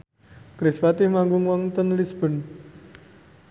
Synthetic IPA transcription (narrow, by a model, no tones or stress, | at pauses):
kɾispat̪ɪhmaŋɡuŋwɔŋt̪ənlisb̥ɔ̤n